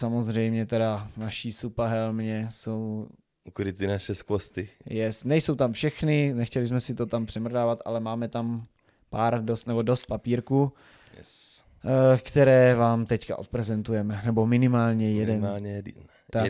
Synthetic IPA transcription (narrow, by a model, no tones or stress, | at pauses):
samozrɛjmɲɛt̪ɛdanaʃisupaɦɛlmɲɛso̞w | kuɾɪt̪ɪnaʃɛskost̪ɪjɛsnɛjso̞wt̪amfʃɛxnɪnɛxcɛlɪzmɛsɪt̪o̞t̪ampr̥ɛmrdaːvat̪ʔa̰lɛmaːmɛt̪am | paːɾdost̪nɛbo̞dost̪̚papiːɾkuː | kt̪ɛɾɛːvaːmt̪ɛcka̰ʔo̞t̪̚pɾɛzɛnt̪ujɛmɛnɛbo̞mɪnɪmaːlɲɛjɛdɛnɲ | t̪a